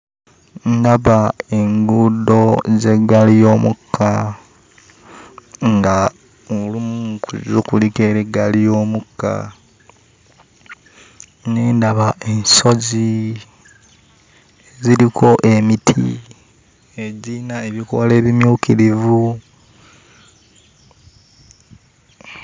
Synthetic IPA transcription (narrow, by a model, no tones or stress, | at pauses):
ndaβae̞ŋɡudo̞zeɡalijo̞ːmukːa | ŋɡa | olumukṵzukulike̞ːɾeɡalijo̞ːmukːa̰ | neːndaβaʔe̞nso̞zi | eziɾikʰo̞ʔe̞mitʰḭ | eɟinaeβiko̞le̞ːβimjuːkiɾivu